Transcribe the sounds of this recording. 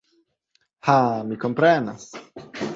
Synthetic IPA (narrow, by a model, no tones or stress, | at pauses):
hamikompɾenas